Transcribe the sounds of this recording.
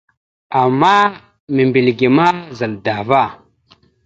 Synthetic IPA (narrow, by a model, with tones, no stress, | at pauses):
a˨mːa˦ | mi˨mbi˨lɡi˨ma˦za˨lda˨va˦˨